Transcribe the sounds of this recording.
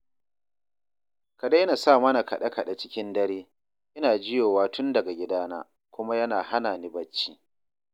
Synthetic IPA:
kɐ˨da˦jna˨sa˦˨mɐ˦na˨kɐ˨ɗɐ˦kɐ˨ɗa˨t͡ʃɪ˦kʲɪ˦ndɐ˦ɾeː˦ | ʔɪ˦naː˨d͡ʒɪ˦joː˨waː˦tʊ˦ndɐ˨ɡa˨ɡʲɪ˦daː˦na̰ː˦ | kʷʊ˦ma˦jɐ˦naː˨ha˦naː˨ni˦bɐ˦t͡ʃːiː˦

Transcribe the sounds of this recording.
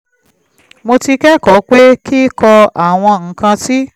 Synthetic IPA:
mo˧ti˧kɛ˦kɔ˨˦k͡pe˦ki˦kɔ˧a˨w̃ɔ̃˧ŋ̩˨˦kã˧si˦

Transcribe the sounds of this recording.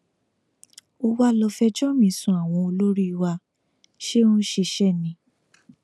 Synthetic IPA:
o˧wa˧lɔ˧fɛ˧d͡ʒɔ˦mĩ˨˦sũ˧a˨w̃ɔ̃˧o˧lo˦ɾi˦i˧wa˧ | ʃe˦ũ˦ʃe˧ʃɛ˦˨nĩ˧˦

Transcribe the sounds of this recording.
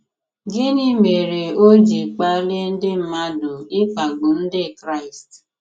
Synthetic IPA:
ɡe˦ni˦me˨ɾe˨o˦d͡ʒi˨k͡pa˦le˦n̩˦dɪ˦m̩˦ma˦dʊ˨ɪ˦k͡pa˨ɡ͡bʊ˨n̩˦dɪ˦˨kɾa˦ɪ˨st

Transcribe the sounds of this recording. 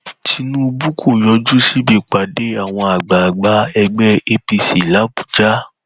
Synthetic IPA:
tʰi˧nũ˦˧bu˦kʰo˦˨jɔ˧d͡ʒu˦si˦bi˦˨k͡pa˨de˦a˦˨w̃ɔ̃˧a˨ɡ͡ba˨ɡ͡ba˨˦ɛ˧ɡ͡bɛ˦e˧pi˧si˨la˨˦bu˨d͡ʒa˦

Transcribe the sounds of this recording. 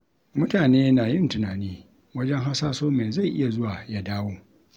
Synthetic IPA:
mʊ˦taː˨neː˦naː˨jɪ˦ntɪ˨naː˨niː˦ | wɐ˦d͡ʒɛ˦ŋɦa˦saː˦soː˦meː˨za˦˨jʔɪ̰˦ja˨zʊ˦waː˨ja˦daː˦woː˦

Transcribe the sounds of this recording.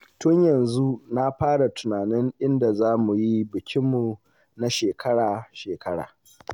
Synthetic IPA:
tʊ˦ɲjɐ˨nzu˦na˦ɸaː˦ɽa˨tʊ˨naː˨nɪ˦ŋʔɪ˦nda˨zaː˦mu˨ji˦bɪ˨kʲʰɪ˦mːu˨ | na˦ʃeː˨kʰɐ˦ɽaː˨ʃeː˨kɐ˦ɽa̰ː˨

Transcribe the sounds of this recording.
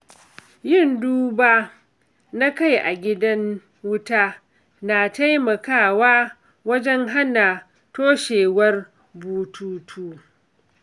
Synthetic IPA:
jɪ˦˨nduː˦baː˦ | na˦ka˦˨jʔa̰˨ɡʲɪ˦dɐ˦ŋ | wʊ˦taː˦ | na˨ta˦jmɐ˨kaː˦˨waː˦ | wɐ˦d͡ʒɛ˦ŋɦa˦na˨ | toː˦ʃeː˨wɐ˦r | buː˦tʰuː˦tʰuː˦

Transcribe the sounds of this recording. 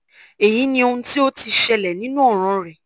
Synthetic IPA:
e˨ji˨˦nĩ˧o˧ũ˧ti˦o˦ti˧ʃɛ˧lɛ˨nĩ˦nũ˦ɔ˦˨ɾ̃ã˧ɾɛ˨

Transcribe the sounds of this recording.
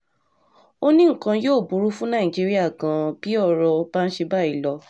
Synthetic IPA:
o˦nĩ˦ŋ̩˦˨kã˧joː˦˨bu˨˦ɾu˦fũ˦nã˦˨ĩ˨d͡ʒi˦ɾi˦a˦˨kã˨b̥i˦ɔ˦˨ɾɔ˧o˧ba˦n̩˦ʃe˧ba˦˨i˨˦˨lɔ˧

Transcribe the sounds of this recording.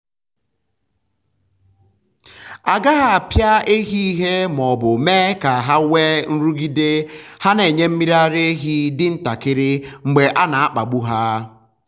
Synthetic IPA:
a˨ɡa˦ɦa˨pja˦e˦ɦi˦i˦ɦe˦mɔ˨bʊ˨meː˦ka˨a˨ɦa˦we˦n̩˦ɾu˦ɡi˦de˦ha˦ne˨ɲe˦m̩˦mi˦ɾa˦ɾe˦ɦi˦dɪ˦n̩˦ta˨kɪ˦ɾɪ˦ŋ͡m̩˨ɡ͡be˨ʔa˦na˨a˦k͡pa˨ɡ͡bu˦ɦa˦

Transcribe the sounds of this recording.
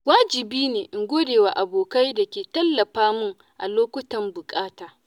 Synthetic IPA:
waː˦d͡ʒɪ˨biː˦neː˨ʔɪ˨ŋɡʷoː˦deː˨waː˨ʔa˨boː˨ka˦jdɐ˨kʲeː˨tɐ˦lːɐ˨ɸaː˦mʊ˦ŋ | ʔa̰˨loː˦kʷʊ˦tɐ˨mbʊ˨kʼaː˦taː˨

